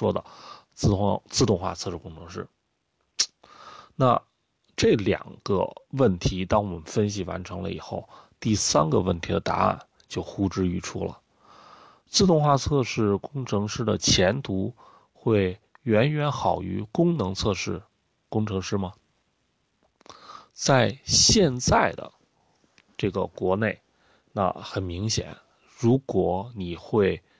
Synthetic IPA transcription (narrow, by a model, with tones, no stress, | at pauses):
ʂwɔ˥d̪ə̰˨t͡s̩˥˧t͡sɹ̩˥˧t̪ʊ˥˧ŋxwa̰˥˧t͡sʰɤ˥˧ʂɻkʊ˥ŋʈ͡ʂʰɤ˧˥ŋʂɻ̩˥˩ | na̰˥˧ | ʈ͡ʂɤ˥˩ljɑ̰˨˩ŋɡ̥ə̰˦wə˥˩nt̪ʰi˧˥t̪ɑ˥ŋwɔ˨˩mə˦nfə˥nɕ̬i˨˩wa̰˧˥nʈ͡ʂʰɤ˧˥ŋlə̰˧ḭ˨˩xo˥˩ʊt̪i˥˩sa˥nɡə˧wə˥˩nt̪ʰi˧˥d̪ə˧t̪a̰˧˥a̰˥˩n | t͡ɕjo˥˩ʊxu˥ʈ͡ʂɻ̩˥y˧˥˩ʈ͡ʂʰṵ˥lə̰˨ | t͡sɹ̩˥˧t̪ʊ˥˧ŋxwa˥˧t͡sʰɤ˥˧ʂɻ̩˥˩kʊ˥ŋʈ͡ʂʰɤ˧˥ŋʂɻ̩˥d̪ə˨t͡ɕʰjɛ˧˥nt̪ʰu˧˥ | xwe˥˩ɪ | ɥɛ˧˥nɥɛ˧˥nxɑ˨˩ʊy̰˧˥kʊ˥ŋnɤ˧˥ŋt͡sʰɤ˥˧ʂɻ̩˥˩ | kʊ˥ŋʈ͡ʂʰɤ˧˥ŋʂɻ̩˥mɐ˨ | t͡sa˥˧ɪɕjɛ˥˧nt͡sa˥˩ɪd̪ə̰˩ | ʈ͡ʂɤ˥˩ɡə˩kwɔ˧˥ne˥˩ɪ | na̰˥˩xə˨˩nmi˧˥ŋɕjɛ̰˨˩˦n | ɻu˧˥kwɔ˨˩˦ni˨˩xwe˥˩ɪ